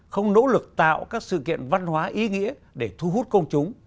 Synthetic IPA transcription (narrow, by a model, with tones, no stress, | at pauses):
xə˧wŋ͡mno̰˧˥lɨ˨˩k̚t̪a̰ː˧˨wkaː˦˥k̚sɨ̰˧˨kḭ˧˨ənva˧nɦwaː˨˦ʔi˨˦ŋḭ˧˥əɗe˧˩t̪ʰu˧ɦu˦˥t̚kə˧wŋ͡mt͡ɕʊ˨˦ŋ͡m